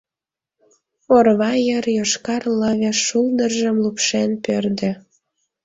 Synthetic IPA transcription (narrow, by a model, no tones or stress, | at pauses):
orβɑjərjoʃkɑrləβeʃuld̪ərʒəmlupʃenpørd̪ĕ